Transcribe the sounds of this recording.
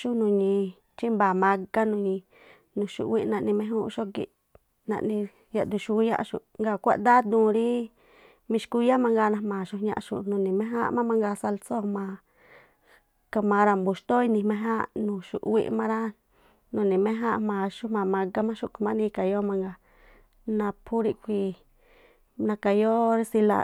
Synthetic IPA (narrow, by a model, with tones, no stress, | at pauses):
ʃu˦nũ˧˨ɲĩ˧ | t͡ʃi˦mba˨mã˧ɡa˦nũ˧ɲĩ˧ | nũ˧˨ʃṵ˨wi˦nã˧ʔnĩ˧mẽ˧˦ũ˦˧ʃo˦kḭ˧ʔ | nã̰˧ʔnĩ˧ | ja˧ʔd̪u˧ʃu˧i˦jã̰˦˧ʔʃṵ˧˨ŋɡa˧˨kʷa̰˦ʔd̪a˦d̪ũː˨˧˨ɾi˦ | mĩ˧ʃku˧ja˦mã˧ŋɡa˧nã˧mã˨ʃu˧ɲã̰˧ʔʃṵ˧˨nũ˧˨nĩ˨mẽ˦ɦã̰˦mã˦mã˧ŋɡa˧sa˧lso˦mã˧ | ka˧mã˧ɾa˧˨mbu˨ʃt̪o˦i˧nĩ˧mẽ˧ɦã˦nũ˧˨ʃṵ˨ʔwḭ˦˧ʔmã˧ɾa˦ | nũ˧˨nĩ˨mẽ˦ɦã˦ʔmã˧ʃu˦mã˧mã˧ɡa˦mã˦ʃu˧˨kmã˦nĩ˧ka˨jo˦mã˧ŋɡa˧ | nã˧pʰu˦ɾi˧kʷi˧ | nã˧ka˨jo˦ɾsi˧la̰˧˨